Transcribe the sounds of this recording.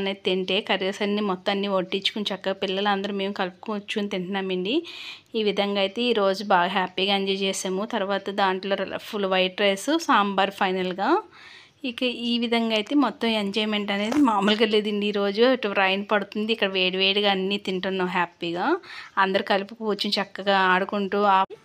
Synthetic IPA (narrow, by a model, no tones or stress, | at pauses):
neːt̪eɳʈe̞ːkɐɾɐsɐnːiːmɔt̪ːɐɐnːiːʋoʈːit͡ʃːukunt͡ʃɛkːɐpilːɐlɐnd̪ɐɾume̞ːmukɐlpu̥kut͡ʃːunt̪iɳʈɐnaːmeɳɖiiːʋid̪ʱɐŋɡaːjt̪e̞ːiːɾo̞ːd͡ʒubaːɡɐɦaːpiːɡaːeɲd͡ʒɐjt͡ʃɛːsaːmut̪ɐɾuʋaːt̪ɐd̪aːɳʈlo̞ːɾɐ̰pʰulʋɐjʈɾeːsusaːmbaːɾpʰɐjnɐlɡaː | ikɐiːʋid̪ʱɐŋɡaːjt̪e̞ːmɔt̪ːɐmeɲd͡ʒɐjmeɳʈɐne̞ːd̪imaːmulk̬ɐlːeːd̪iɳɖiiːɾo̞ːd͡ʒuɐʈɐɾɐjnpɐɽut̪und̪iːkːɐɽɐʋeːɽiʋeːɽiɡaɐnːiːt̪iɳʈunːɐɦaːpiːɡaːɐnd̪ɐɾukɐlpukuut͡ʃːunt͡ʃɐkːɐɡaːaːɽukuɳʈuːa